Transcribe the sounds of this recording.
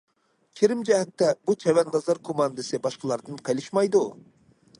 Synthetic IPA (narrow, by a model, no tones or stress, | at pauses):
kʲʰeɾɪmd͡ʒɛɦɛt̪ːɛbut͡ʃʰɛwɛnʁɑzɑɾkʰomɑnd̪ɨsɨbɑʃqəlˠɑɾd̪ɨnqʰɑjlˠɨʃmɑjd̪u